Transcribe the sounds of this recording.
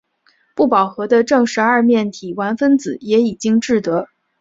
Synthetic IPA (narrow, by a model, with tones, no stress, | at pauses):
pu˥˩pɑ˨˩ʊxɤ˧˥d̪ə˧ʈ͡ʂɤ˥˩ŋʂɻ̩˧˥ɐ˞˥˧mjɛ˥˩nt̪ʰi˨˩wa˧˥nfə˥nt͡sɹ̩˨˩˦jɛ˧˥i˨˩t͡ɕi˥ŋʈ͡ʂɻ̩˥˩t̪ɤ˧˥